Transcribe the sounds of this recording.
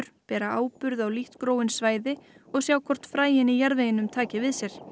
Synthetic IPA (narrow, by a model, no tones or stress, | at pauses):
ɾ̥pɛːɾaaːwpʏɾðawliht̪kɾoːwɪnsvaːjðɪɔɣsjaːwkʰɔr̥t̪fɾaːjɪnijaɾðvejɪnʏmt̪ʰaːcɪvɪðsjɛɾ̥